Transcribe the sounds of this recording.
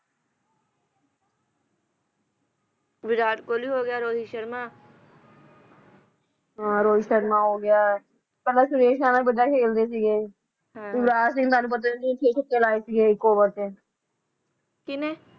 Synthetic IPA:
ʋɪɾaːʈkoːliːɦoːɡɪjaːɾoːd͡ʒiʃəɾmãː | ɦãːɾoːiʃəɾmãːɦoːɡɪjaː | pɛlaːsʊɾeːʃaːnaːbəd͡ʒaːkʰeːld̪eːs̬iːɡeː | ɦuʋɾaːs̬ɪ̃ŋt̪aːnũːp̬ət̪̬akiʈʰeːʈʰəkːeːlaːeːsiːɡeːɪkːoːbəɾteː | kɪneː

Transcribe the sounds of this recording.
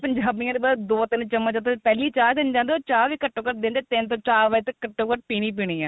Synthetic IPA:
pəɲd͡ʒaːbijãːd̪ebaːd̪oːt̪ɪnt͡ʃəmːət͡ʃə̃t̪opɛːliːt͡ʃaːɾd̪ɪnd͡ʒãːnd̪eːoːt͡ʃaːɾʋiːkəʈːõːkəʈ̚d̪ẽːnd̪et̪ɪnt̪õːt͡ʃaːɾʋəd͡ʒt̪əkəʈːõːkəʈ̚piːniːp̬iːɽiːãː

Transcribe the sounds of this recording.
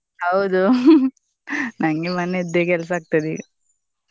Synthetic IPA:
hɐwd̪u | nɐŋɡemɐneɛd̪eːkɛls̬aːk̚t̪ɐd̪iːɡɐ

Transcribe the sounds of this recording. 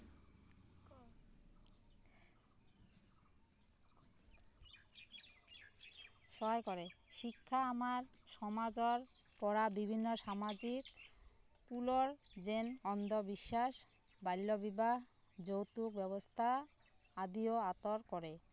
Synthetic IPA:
ʃɔjkoɾeʃikʰːaamaɾʃɔmad͡ʑɔɾ | pɔɾabibʱinːoʃamad͡ʑik | puloɾd͡ʑenɔnd̪ʱobiʃːaʃ | bajlːobibaɦ | d͡ʑowt̪uk̚bɛβost̪ʰa | ad̪ioat̪oɾkɔɾe

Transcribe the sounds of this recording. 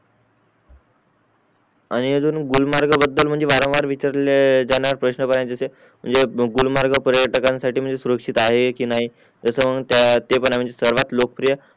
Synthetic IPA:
añiəd͡zuːnɡulmaɾɡəbəd̪ːəlm̤əɳd͡zeʋaɾə̃ʋaɾʋit͡ɕaɾled͡zaɽ̃aɾpɾəɕnəkəɾajt͡səse | m̤ə̰ɳd͡zeɡulmaɾɡəpɾjəʈəkãnsaʈʰiːm̤əɳd͡zesuɾəkʂit̪aɦekiːnaɦi | d͡zəsəʋəɡt̪jat̪epəɳam̤əɳd͡zesəɾʋat̪lokəpɾijə

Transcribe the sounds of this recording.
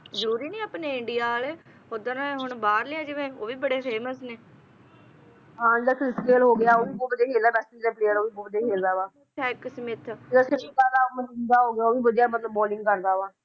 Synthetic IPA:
zəɾuːɾiːnĩːaːpneːɪɳɖijaːleː | od̪ənɦʊɳbaːɾlɪãːd͡ʒɪʋẽːoːʋiːbəɽeːfeːməsneː | ɦãːd͡ʒɪd̪aːkʰɾɪskeːlɦoːɡɪjaːoːʋiːbʊbd̪eːɦeːlaːbɛːstiːd͡ʒd̪aːpleːəloːʋiːbʊbd̪eːɦeːld̪aːʋaː | t͡ʃʰɛːɪksmɪt̪ʰɪd̪aːsɪmĩːkəɾd̪aːoːməd̪aːɦoːɡɪaːoːʋiːbəd͡ʒjaːmət̪ləbːɔːlɪ̃ŋɡkəɾd̪aːʋaː

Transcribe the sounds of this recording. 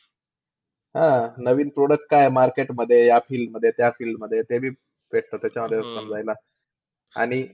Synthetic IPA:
ɦãnəʋiːnpɾoɽək̚ʈ̚kajemaɾkeʈməd̪ʱːjejafilməd̪ʱːjet̪jafilməd̪ʱːjet̪ebʱiː | ʋeʈ̚ʰt̪əːt̪ːjat͡ɕaməd̪ʱːjeəssəmd͡zajla | a̰ɽ̃i

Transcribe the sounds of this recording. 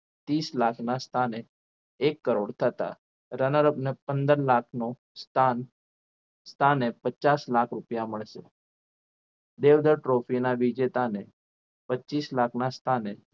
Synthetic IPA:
t̪islakʰnast̪ʰaneː | kːəɾoɽt̪ʰət̪a̰ | ɾənəɾəpnepənd̪əɾlakʰno | st̪ʰan | st̪ʰanepət͡ʃaslakʰɾupjaməɭʃe | d̪eʋd̪əɾʈɾofinaʋid͡ʒet̪ane | pəːt͡ʃislakʰnast̪ʰane

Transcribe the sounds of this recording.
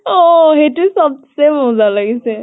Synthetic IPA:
ɔ̃ɦejtʊsɔb̚semɔzalaɡisɛ

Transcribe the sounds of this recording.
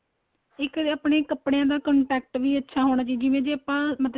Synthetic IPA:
ɪkaːpɽeːkəpɽejãːd̪aːkəɳʈɛːk̚ʈʋiːətːʃʰaːɦoːɽ̃aːt͡ʃiːd͡ʒɪʋẽːd͡ʒeːəpãːmət̪

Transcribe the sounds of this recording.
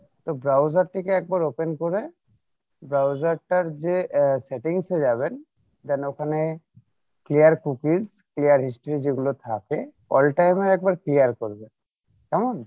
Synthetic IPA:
t̪ɔbɾawzaɾʈikeɛk̚baɹopenkɔɾe | bɹawzaɾʈaɾzeseʈiŋsed͡ʒabɛn | t̪ɛnokʰane | klijaɾkukiz | klijaɾɦisʈɾizeɡulot̪ʰake | ɔ̰lʈajmeɾɛk̚baɹklijaɾkɔɹbe | kɛmɔn

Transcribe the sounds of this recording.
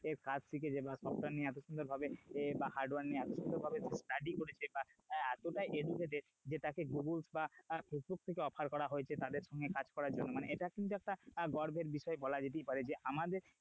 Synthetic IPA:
eɾkad͡ʑt̪ʰek̬ed͡ʑebasɔp̚ʈaɾnieɛt̪̬oʃund̪oɾbʱabebahaɾɖwaɾnːieɛt̪oʃund̪oɾbʱabed͡ʒesʈaɖikoɽet͡ɕʰebaɛt̪oʈajʔeɖukʰet̪e | d͡ʑet̪akeɡuɡulsbafesbuk̚t̪ʰekeɔpʰaɾkɔɾaɦoet͡ɕʰet̪ad̪eɾʃɔŋɡekad͡ʑkɔɾaɾd͡ʑonːomaneeʈakint̪uɛk̚ʈaɡɔɾbʱeɾbiʃɔebɔlad͡ʑeʈ̬ijpaɾed͡ʑeʔamad̪eɾ

